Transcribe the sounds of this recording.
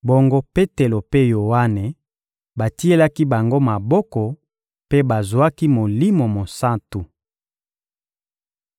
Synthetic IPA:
bo˦ŋɡo˦pe˦te˨lo˨pe˦jo˨wa˦ne˨ | ba˨ti˦e˦la˦ki˦ba˨ŋɡo˦ma˨bɔ˦kɔ˨ | pe˦ba˨zo˨a˦ki˦mo˨li˦mo˨mo˨sa˦tu˨

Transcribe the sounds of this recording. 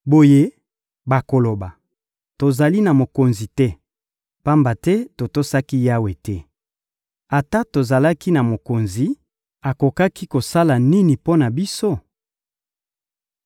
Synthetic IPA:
bo˨je˦ | ba˨ko˨lo˨ba˨ | to˨za˨li˦na˨mo˨ko˨nzi˨tɛ˦ | pa˦mba˨tɛ˦to˨to˦sa˦ki˦ja˦we˨tɛ˦ | a˨ta˦to˨za˨la˦ki˦na˨mo˨ko˨nzi˨ | a˨ko˨ka˦ki˦ko˨sa˦la˨ni˦ni˨po˦na˨bi˦so˦

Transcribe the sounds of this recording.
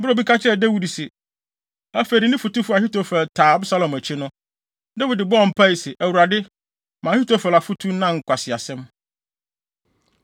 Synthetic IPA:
m̩bɾo˦˨bi˦kʰa˦t͡ɕʰɪ˦ɛ˦˨da˦wi˨dsɪ˨ | æ˦fe˨dɪ˨nɪ̃˦fu˨tu˦fʊ˦a˨ɦi˦to˦fɛ˨ltʰaː˨˦bsa˦lɔ̃˨mæ˨t͡ɕʰɪ˦nʊ̃˦ | da˦wi˨dɪ˨bɔ˦ɔ̃˨m̩˨pʰa˦i˨sɪ˨ʔæ˨wu˨ɾa˨dɪ˦ | mã˨hi˦to˦fɛ˨la˨fu˦tʰu˦nã˦ŋ̩˨kʷʰa˨sɪ˨a˨sɛ̃˦m

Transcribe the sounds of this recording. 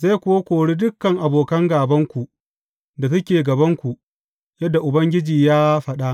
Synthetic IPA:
za˦kʷʊ˦wa˦kʷoː˨ɽiː˦dʊ˦kːɐ˨ŋʔa˨boː˨kɐ˦ŋɡaː˨bɐ˦ŋkʷu˨ | da˨t̬ɐ˦kʲeː˨ɡɐ˨bɐ˦ŋkʷu˨ | jɐ˦dːa˨ʔʊ˨bɐ˦ŋɡʲɪ˦d͡ʒiː˨jaː˦ɸɐ˦ɗa˦ʔ

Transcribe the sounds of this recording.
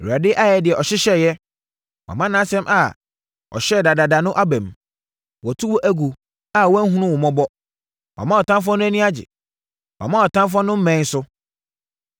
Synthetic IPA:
a˨dɪ˦ʔa˦jɛ˨dɪ˨ɛ˨ʔɔ˨ɕɪ˦ɕɛ˦˨jɛ˦ | wa̰˨mã˦nã˦sɛ̃˦mʔa̰˨ | ɔ̰˨ɕɛ˦˨da˨da˨da˨nʊ̃˦ʔa˦bæ̃˨m | wɔ˨tʰu˦wɔ˦ʔæ˦ɡu˨ | a˦˨wɔ˦æ˦ɦũ˦nʊ̃˦wʊ˨mɔ̃˦bɔ˦ | wa̰˨mã˦ɔ˨tʰã˦mf̬ɔ̃˦nʊ̃˦æ˦nĩ˦a˦d͡ʑɪ̰˨ | wʔa̰˨mã˦ɔ˨tʰã˦mf̬ɔ̃˦nʊ̃˦m̩˦mɛ̃˨˦n̩˦sʊ˦

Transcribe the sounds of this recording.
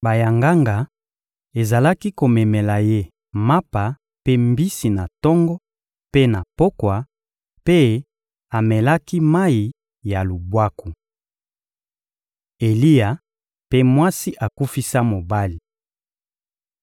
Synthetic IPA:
ba˨ja˨ŋɡa˦ŋɡa˨ | e˨za˨la˦ki˦ko˨mɛ˨mɛ˨la˨je˦ | ma˦pa˨ | pe˦mbi˦si˨na˨tɔ˦ŋɡɔ˦ | pe˦na˨po˦kwa˨ | pe˦ | a˨mɛ˨la˦ki˦ma˦i˨ | ja˨lu˨bwa˦ku˨ | e˨li˦ja˨ | pe˦mwa˦si˦ʔa˨ku˦fi˦sa˦mo˨ba˦li˨

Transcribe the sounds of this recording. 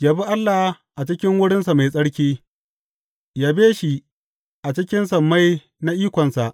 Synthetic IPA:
jaː˨bi˦ʔa˦lːa˨h | ʔa˨t͡ʃɪ˦kʲɪ˦ŋwʊ˦ɽɪ˦nsa˨ma˨jsʼɐ˦ɽkʲiː˦ | jaː˨˦beː˦ʃi˨ | ʔa˨t͡ʃɪ˦kʲɪ˦nsɐ˨mːa˦j | na˦ʔiː˦kʷɔ˨nsa˨ʔ

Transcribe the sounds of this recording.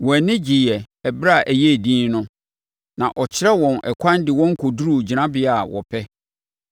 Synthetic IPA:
wɔ˨nɪ̃˦d͡ʑi˨jɛ˨ | ɛ˨bɾa˦˨ʔæ˨jɛ˦˨dĩː˦nnʊ̃˦ | nã̰˨ʔɔ˨t͡ɕʰɪ˦ɾɛ˦wɔ̃˨nʔɛ̰˨kʷʰã˦ndɪ˨wɔ̃˦ŋ̩˦kʰo˨du˦ɾu˦˨d͡ʑi˨nã˦bɪ˨a˨wɔ̰˨pʰɛ˦

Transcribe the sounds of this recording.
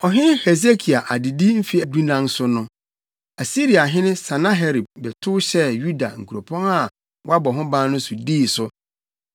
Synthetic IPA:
ɔ˨ɦɪ̃˦hɛ˨z̬e˦kʰi˨a˨ʔa˨dɪ˨di˦m̩˦fi˦ɛ˨dũ˦nã˦nsʊ˦nʊ̃˦ | a˨si˦ɾi˨a˨ɦɪ̃˦nɪ̃˦sã˨nã˦ɦɛ˦ɾi˨b̚bɛ˨tʰʊ˦ɕɛ˦ju˦da̰˨ŋ̩˨kʰu˨ɾo˨pʰɔ̃˦na˨ | wa˦bɔ˨ɦʊ̃˦bãː˦nʊ̃˦sʊ˨diː˦˨sʊ˨

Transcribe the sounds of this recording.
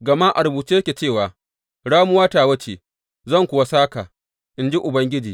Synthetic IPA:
ɡɐ˨ma˦ʔa˨ɾʊ˨buː˨t͡ʃi˦jɐ˦kʲe˨t͡ʃeː˦˨waː˨ | ɽaː˦mʊ˦waː˦taː˨wɐ˦t͡ʃe˨ | zɐ˦˨ŋkʷʊ˨wa˦saː˦ka˨ | ʔɪ˨nd͡ʒi˦ʔʊ˨bɐ˦ŋɡʲɪ˦d͡ʒiː˨

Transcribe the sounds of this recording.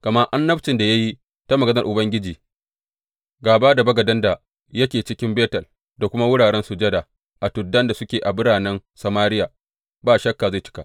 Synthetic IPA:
kɐ˨mɐ˦rʔa˦nːɐ˦bt͡ʃɪ˨nda˨ja˦ji˦ | ta˦mɐ˨ɡɐ˦nɐ˨rʔʊ˨bɐ˦ŋɡʲɪ˦d͡ʒiː˨ | ɡaː˨baː˦da˨bɐ˦ɡɐ˨dɐ˦nda˨ | jɐ˦kʲeː˨t͡ʃɪ˦kʲɪ˦mbeː˦tɐ˨l | da˨kʷʊ˦ma˦wʊ˦ɽaː˨ɽɛ˦nsʊ˨d͡ʒɐ˦da˨ | ʔa˨tʊ˨dːɐ˦nda˨sʊ˦kʲeː˨ʔa˨bʊ˦ɽaː˨nɛ˦nsɐ˨maː˦ɾɪ˦jaː˨ | baː˦ʃɐ˦kːaː˨za˦˨t͡ʃɪ̥˦ka˨ʔ

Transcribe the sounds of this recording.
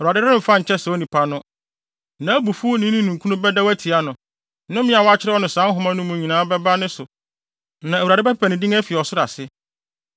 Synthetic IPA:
a˨dɪ˦dnɪ̃˦m̩˨fã˦˨ɲ̩ʰ˨ɛ˦sɛ˨o˦nĩ˨pʰa˦nʊ̃˦ | nã˨˦æ˦bu˨fu˦o˦nɪ̃˦nĩ˦nũ˨ŋkʰu˦nʊ̃˦bɛ˦da˦wæ˦tʰi˨a˦nʊ̃˨ | nʊ̃˦mɪ̃˦a˨wɔ˦a˦t͡ɕʰɪ˦ɾɛ˦ɔ˦nʊ̃˨sã˨˦n˦ɦʊ̃˦mã˦nʊ̃˦mũ˨ɲĩ˨nãː˨˦bɛ˦ba˦nɪ̃˦sʊ˨ | nã˨æ˨wu˨ɾa˨dɪ˦bɛ˦pɛ˦pʰæ˨nɪ̃˨dĩ˦ŋæ˦fi˨ɔ˨sʊ˦ɾa̰˨sɪ˦

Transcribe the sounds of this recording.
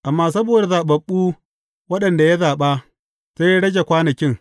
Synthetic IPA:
ʔa˨mːaː˦˨sɐ˦boː˨da˨zaː˨ɓɐ˨ɓːuː˦ | wɐ˦ɗɐ˨nda˨ja˦zaː˨ɓa˦ | sa˦ja˦ɽɐ˦d͡ʒe˨kʷaː˦nɐ˨kʲɪ˦ŋ

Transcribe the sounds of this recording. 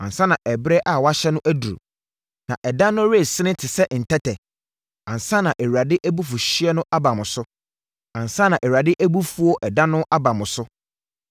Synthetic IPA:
ã˨n˨sã˦nã˨ʔɛ˨bɾɛ˦ʔa˨wa˦ɕɛ˦nʊ̃˦ʔæ˦du˨ɾṵ˨ | nã˨ʔɛ˨dã˦nʊ̃˦ɾe˦˨sɪ˦ɪ̃˦tʰɪ˨sɛ˦ʔn̩˨tʰɛ˦tʰɛ˨ | ã˨n̩˨sã˦nã˨ʔɛ˨wa˨dɪ˦ʔæ˦bu˦fʊ˨ɕi˦ɛ˦nʊ̃˦ʔa˦ba˨mʊ̃˨sʊ˦ | ã˨n˨sã˦nã˨ʔɛ˨wa˨dɪ˦ʔæ˦bu˦fu˨ɔ˦ʔɛ˨dã˦nʊ̃˦ʔa˦ba˨mʊ̃˨sʊ˦

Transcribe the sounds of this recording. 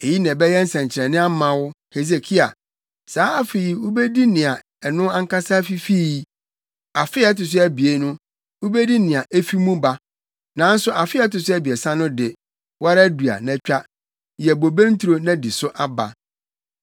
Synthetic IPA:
e˨ji˦nɛ̃˨bɛ˦jɛ˦n̩˦sɛ̃˨ɲ˨t͡ɕʰɪ˨ɾɛ̃˨nɪ̃˦a˦mã˨wʊ˦he˨ze˨kʰi˦a˨ | saː˨˦a˦fe˨ji˨wʊ˦bɛ˦di˦nɪ̃˨a˨ | ɛ˨nʊ̃˦ã˦ŋ˦ka˦sa˦fi˦fi˦˨˦ | a˨fɪ˦ɛ˦tʊ˨s̬ʊ˦æ˨bi˨e˨nʊ̃˦ | wʊ˦bɛ˦di˦nɪ̃˨a˨ʔe˦fi˦mũ˦ba˦ | nã˨˦n̩˦sʊ˦ʔa˨fɪ˦ɛ˦tʊ˨s̬ʊ˦æ˦bi˨e˨sã˦nʊ̃˦dɪ˨ | wa˦ɾa˦du˨a̰˨nɛ̃˨t͡ɕᶣa˦ | jɛ˨bo˨bẽ˦n̩˦tʰɾo˦nã˦di˨sʊ˦ʔa˦ba̰˨

